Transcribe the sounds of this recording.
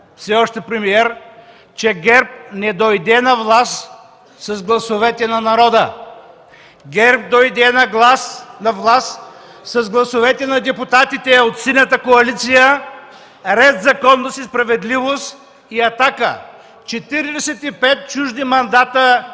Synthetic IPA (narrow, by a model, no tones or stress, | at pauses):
fsɛɔʃt̪ɛpɾɛmiɛɾ | t͡ʃɛɡɛɾp̚nɛd̪ojd̪ɛnɐvlˠas | sɐzɡlˠɐsovɛt̪ɛnɐnɐɾɔd̪ə | ɡɛɾp̚d̪ojd̪ɛnɐɡlˠasnɐvlˠas | sɐzɡlˠɐsovɛt̪ɛnɐd̪ɛput̪at̪it̪ɛot̪sinət̪əkoɐlit̪sijə | ɾɛzzɐkɔnːəsispɾɐvɛd̪livost̪ | iɐt̪akə̰ | t͡ʃɛt̪iɾid̪ɛsɛt̪ipɛt̪̚t͡ʃuʒd̪imɐnd̪at̪ə